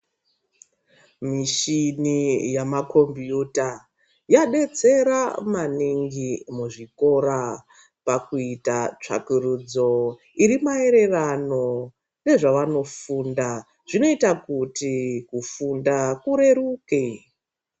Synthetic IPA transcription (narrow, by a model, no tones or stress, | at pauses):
miʃinijamako̞mbjuta | jaɗe̞t͡se̞ɾamaniŋɡimuʐiko̞ɾa | pakuitat͡ʂa̰kurud͡zo̞ | iɾimae̞ɾe̞rano̞ | ne̞ʐaʋano̞funda | ʐ̥ino̞itakutikufundakuɾe̞ɾuke